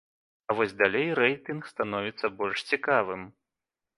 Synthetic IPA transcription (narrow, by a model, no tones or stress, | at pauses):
ɐvɔzʲd̪alʲejɾɛjt̪ɨnkst̪anɔvʲit̪sːɐbɔlʲʂt͡sʲikavɨm